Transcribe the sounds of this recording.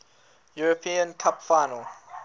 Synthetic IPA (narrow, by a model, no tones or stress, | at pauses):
juɹəpʰĩə̃nkʰapfaɪnəl